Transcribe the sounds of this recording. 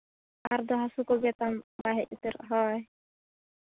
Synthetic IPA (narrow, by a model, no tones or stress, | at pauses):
aɾd̪ɔɦasukɔɡɛt̪ambaɦɛʔit̪iɾɦɔj